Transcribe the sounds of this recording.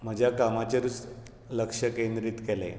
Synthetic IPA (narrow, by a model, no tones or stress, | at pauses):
m̤əd͡ʑʱjakamat͡ɕaɾut͡s | ləkʂəkend̪ɾiːt̪kɛlḛ